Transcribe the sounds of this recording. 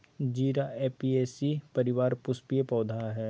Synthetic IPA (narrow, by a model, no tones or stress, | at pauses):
d͡ʒiːɾaeːpieːsipɐɾɪʋaːɾpʊspijepɔːd̪ʱaɦɛː